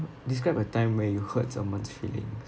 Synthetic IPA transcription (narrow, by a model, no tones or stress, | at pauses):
dis̬kɹaɪpətãɪ̃mwɛjuhətsə̰mãnsfḭlḭ̃ŋ